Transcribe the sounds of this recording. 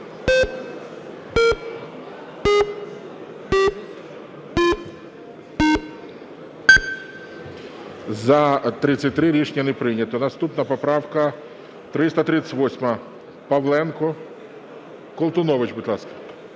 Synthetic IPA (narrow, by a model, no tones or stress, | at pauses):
zɐt̪ɾɪt͡sʲːɐtʲt̪ɾɪɾʲiʃnʲɐnɛpɾɪnʲɐt̪ɔnɐst̪upnɐpɔpɾɑwkɐ | t̪ɾɪst̪ɐt̪ɾɪt͡s̪ʲɪ̥tʲʋɔsʲmɐ | pɐʋlˠɛnkɔ | kɔlˠt̪ʊnɔʋɪt͡ʃbʊd̪ʲlˠɑskɐ̥